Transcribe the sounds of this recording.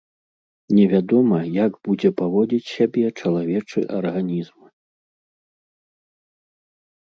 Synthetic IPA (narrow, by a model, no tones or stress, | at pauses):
nʲɛvʲad̪ɔmɐjaɡb̥ud͡zʲɛpavɔd͡zʲit͡sʲsʲabʲɛt͡ʂɐlˠavʲɛt͡ʂɨ̰ʔɐrɣanʲizm